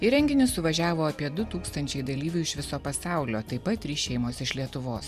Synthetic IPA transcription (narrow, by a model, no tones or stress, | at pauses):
ɪɾʲɛŋʲɡʲɪnʲɪsʊʋɐʒʲæːʋoːɐpʲiɛd̪ʊt̪uːkst̪ɐnʲt͡ʃʲɛɪd̪ɐlʲiːʋʲɛɪʃʋʲɪsoːpɐsɑˑʊlʲoːt̪ɐɪpːɐt̪ʲɾʲiːʃʲɛɪmoːsɪʃlʲiɛt̪ʊʋoːs